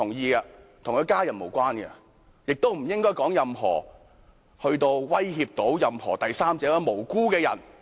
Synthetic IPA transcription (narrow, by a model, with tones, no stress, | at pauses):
t̪ʰʊ˨˩ŋjiː˧ɐ˧t̪ʰʊ˨˩ŋkʰɵ˨˧jkaː˥jɐ˨˩nmo˨˩wkʷaː˥nɡɐ̰˧ | jɪ˨k̚t̪o˥wm̩˨˩jɪ˥ŋkɔː˥jkɔː˨˥ŋjɐ˨˧mɦɔ̰ː˨˩ | hɵ˧ɥt̪o˧wwɐ˥jɦiː˧p̚t̪o˨˥wjɐ˧mhɔː˨˩t̪ɐ˨jsaː˥mt͡sɛː˨˥wɐ˧˥mo˨˩wkuː˥kɛː˧jɐ̰˨˩n